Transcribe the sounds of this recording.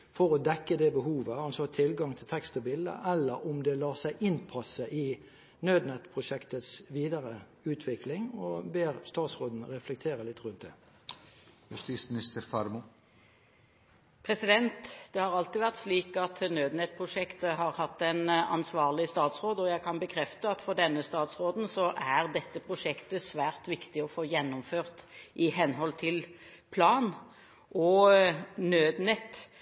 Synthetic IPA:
fɔʁɔd̪ɛkːəd̪ɛbəɦuːʋəɑnsɔt̪ʰɪlɡɑŋt̪ʰɪlt̪ʰɛkst̪əbɪld̪ə̰ʔɛlːəɾʊmd̪ɛlɑːʁsæɪʔɪnpʰɑsəʔɪ | nøːd̪nɛt̪pʰʁʊʃɛkt̪ət̪sʋiːd̪ɑʁə | ʉːt̪ʰʋɪklɪŋɔbeːʁst̪ɑːt̪sʁoːd̪n̩ʁɛflɛk̚t̪ʰeːʁəlɪt̪ːʁʉnt̪d̪ɛ̰ː | jʉst̪ismɪnɪst̪əɾfɑɾmʊ | pʰɾɛsɪd̪ɛnt̪d̪ɛhɑʁɑlt̪ɪːʋæʁt̪sliːkɑt̪nøːd̪nɛt̪̚pʰʁʊʂɛkt̪əɦɑʁhɑt̪ːæɪnɑ̰nsʋɑːʁlɪst̪ɑːt̪sʁoːd̪əɔjæɪkʰɑnbəkʰɾɛft̪əɑt̪fɔʁd̪ɛnːəst̪ɑːt̪sʁoːd̪n̩sɔʔæʁd̪ɛt̪ːəpʰʁʊʂɛkt̪əsʋæːʁt̪ʋɪkt̪ɪɔfoːjɛnːʊmføːʁt̪ʔɪɦɛnɦɔlt̪ʰɪlpʰlɑːn | ʔɔ | nøːd̪nɛt̪ː

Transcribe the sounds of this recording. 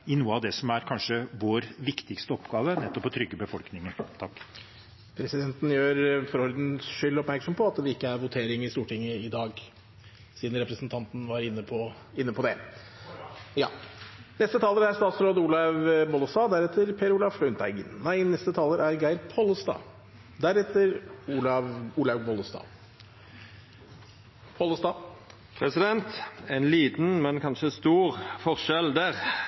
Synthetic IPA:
ɪnuːəɑʋd̪ɛsɔmæɾkʰɑnʂəʋoːɾʋɪkt̪ɪkst̪əɔpːɡɑːʋənɛt̪ːɔpʰːɔt̪ʰɾʏɡːəbəfɔlknɪŋənt̪ʰɑkː | pʰɾɛsɪd̪ɛnt̪n̩jøːɾfɔɾɔɾd̪n̩ʂʏlːɔpmæɾksɔmpʰɔɑt̪ʋɪɪkːəæɾʋʊt̪ʰeːɾɪŋɪst̪uːʈɪŋːəɪd̪ɑːɡ | siːd̪n̩ɾɛpɾəsnt̪ʰɑnt̪n̩ʋɑɾɪnːəpʰɔ | ɪnːəpʰɔd̪ɛ | jɑ̰ːnɛst̪ət̪ʰɑːləɾæst̪ɑːt̪sɾoːd̪əuːlɑʋbɔləst̪ɑːd̪æɾɛt̪ʰəɾpʰeːɾulɑʋflœnt̪ʰæɪɡə̰nnæɪnɛst̪ət̪ʰɑːləɾʔæɾɡæɪɾpʰɔlːəst̪ɑ̰ː | d̪æɾɛt̪əɾuːlɑʋuːlɑʋbɔləst̪ɑ̰ː | pʰɔːləst̪ɑː | pʰʁɛsɪd̪ɛnt̪ɛɪnliːt̪n̩mɛnkʰɑnʃəst̪uːʁfɔʁʃɛld̪æːʁ

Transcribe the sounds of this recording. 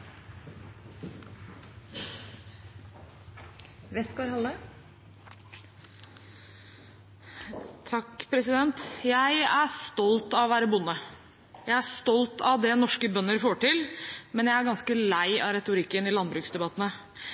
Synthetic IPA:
ʋɛsɡoːɾhɑlːə | t̪ʰɑkːpʰɾɛsɪd̪ɛnt̪jæɪæst̪ɔlt̪ɑʋɔʋæːɾəbʊnːə | jæɪæʂt̪ɔlt̪ɑʋd̪ɛːnɔʂkəbœnːəɾfoːʈɪlmɛnjæɪæɾɡɑnskəlæɪʔɑɾɛt̪ʊɾɪkːənɪlɑnbɾʉːksd̪ɛbɑt̪nə

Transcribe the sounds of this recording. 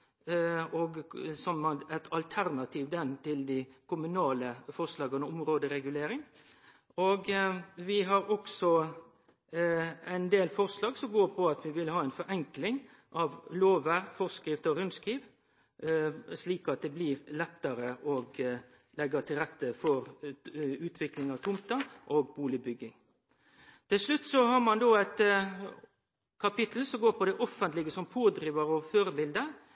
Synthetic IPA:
ɔɡsɔmɑɛt̪ʰɑlt̪ʰæɾnɑt̪ʰiːʋd̪ɛnt̪ɪld̪ɪkʰʊmʉnɑːləfɔʁslɑːɡənʊmɾoːd̪əɾɛɡʉleːɾɪŋ | oɡʋɪɦɑɾɔksɔ | æɪnd̪eːlfɔʁslɑːɡsɔmɡoːɾpʰɔɑt̪ʋɪʋɪlhɑːɛɪnfɔɾɛŋklɪŋ | ʔɑʋloːʋəɾfɔʁskɾɪft̪ɔɾʉnskɾiːʋ | sliːkɑt̪̚d̪ɛbliɾlɛt̪ːəɾəʔɔɡ | lɛɡɑt̪ʰɪlʁɛt̪ːəfɔɾ | ʉːt̪ʰʋɪklɪŋɑʋt̪ʰʊmt̪ɑʔoːɡbuːlɪbʏɡːɪŋ | t̪ɪlʂlʉt̪ːsɔhɑːɾmɑnd̪oːæt̪ | kʰɑpɪt̪ʰl̩sɔɡoːɾpʰɔd̪ɛʔɔfːənt̪lɪɡəsɔmpʰoːd̪ɾiːʋəɾɔføːɾəbɪld̪əɾ

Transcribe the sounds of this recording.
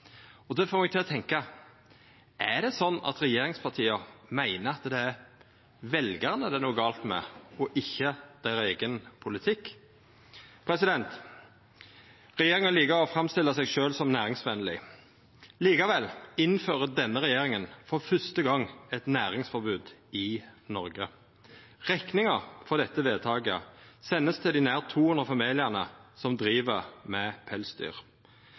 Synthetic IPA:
ɔd̪ɛfoːmɛɡ̚t̪ɪlɔt̪ʰɛŋkɑ | ʔæɖ̪ɛsɔnːɑ̰t̪ɾɛjeːɾɪŋspʰɑt̪ʰiːəmæɪnəɑt̪d̪ɛæɾ | ʋɛlɡəʁnəd̪ɛnuːɡɑːlt̪mɛ̰ɔʔɪçːəd̪̥æɾeːɡənpʰʊlɪt̪ʰɪkː | pʰɾɛsɪd̪ɛnt̪ | ʁɛjeːɾɪŋəliːkəɾɔfɾʁɑmst̪ɪlːəsɛɡʃøːlsɔmnæːɾɪŋsʋɛnəlɪ̰ | liːkɑʋɛlɪnføːʁəd̪ɛnːəʁɛjeːʁɪŋənfɔʁfœst̪əɡɑŋɛt̪næːʁɪŋsfɔɾbʉːd̪ɪnɔɾɡə | ʁɛknɪŋəfɔʁd̪ɛt̪ːəʋeːd̪̚t̪ʰɑːɡəsɛnːəst̪ʰɪld̪ɪnæːʁt̪ʰːuːhʉnʁəfɑmiːlɪæʁnəsɔmd̪ɾiːʋəʁmɛpʰɛlsd̪y̰ːʁ

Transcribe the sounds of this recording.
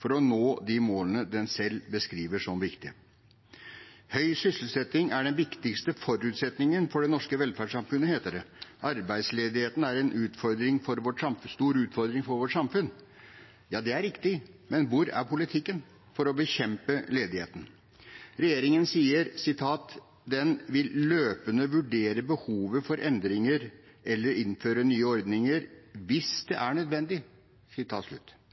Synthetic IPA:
fɔɾɔnoːd̪ɪmoːlənəd̪ɛnsɛlbəskɾiːʋəʂɔmʋɪkt̪ɪə̰ | hœʏsʏsl̩sɛt̪ɪŋæɖɛnʋɪkt̪ɪkst̪əfɔɾʉːt̪sɛt̪nɪŋənfɔɖɛnɔʂkəʋɛlfæɖʂsɑmfʉnːəheːt̪əd̪ɛʔɑɾbæɪd̪sleːd̪ɪheːt̪n̩æɾɛnʔʉːt̪fɔɾd̪ɾɪŋfɔɾʋɔʈsɑmfst̪uːɾʉːt̪fɔɾd̪ɾɪŋfɔɾʋɔʈsɑmfʉnː | jɑːd̪ɛæɾɪkt̪ɪmɛnʋʊɾæ̰ɾpʰʊlɪt̪ʰɪkːən | fɔɾɔbəçɛmpəleːd̪ɪhḛːt̪ən̩ | ɾɛjeːɾɪŋənsiːəɾsɪt̪ʰɑːt̪ | d̪ɛnʋɪlløːpənəʋʉɖeːɾəbəhuːʋəfɔɾʔɛnd̪ɾɪŋəɾ | ʔɛlːəɾɪnføːɾənyːəɔɾd̪nɪŋəɾʋɪsd̪̥ɛʔæɳœd̪ʋɛnd̪ɪ | sɪt̪ʰɑ̰ːt̪ʂlʉ̰t̪ː

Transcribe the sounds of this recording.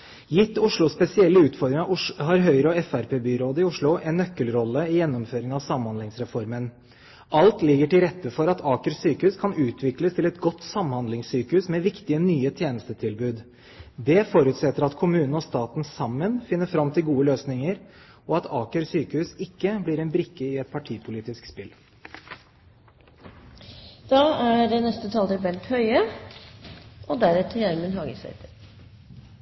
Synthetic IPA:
jɪt̪ːʊʂlʊspɛsɪɛlːəʉːt̪fɔɾd̪ɾɪŋɑʊɦɑɾɦœʏɾəɔɛfæɾpʰeːbyɾoːd̪əɪʊʂɭʊʔɛnːœkːəlɾɔlːəɪjɛnːɔmføːɾɪŋɑʋsɑmnhɑnd̪ɪŋsɾɛfɔɾmən | ʔɑlt̪lɪɡːəʈɪlɾɛt̪ːəfɔɾɑt̪ʰɑːkəɾsyːkəʉskʰɑnʉːt̪ʰʋɪkləst̪ʰɪlɛt̪ɡɔt̪ːsɑmhɑnd̪lɪŋsyːkəʉsmɛʋɪkt̪ɪənyːət̪ʰjeːnəst̪ət̪ʰɪlbʉːd̪ | d̪ɛfɔɾʉːt̪sɛt̪ːəɾɑt̪kʰʊmʉːnən̩ɔst̪ɑːt̪n̩sɑmːənfɪnːəfɾɑmt̪ʰɪlɡuːəløːsnɪŋəɾ | ɔɑt̪ʰɑːkəɾsyːkəhʉːsɪkːəblɪːɾɛnbɾɪkːəɪɛt̪̚pʰɑʈʰiːpʰʊliːt̪ɪskspɪl | d̪̥ɑːæɖɛnɛst̪ət̪ʰɑːld̪əbɛlt̪hœʏə | ʔɔd̪æɾɛt̪ʰəɾæɾmənɦɑːɡəsɛ̰ɪt̪əɾ

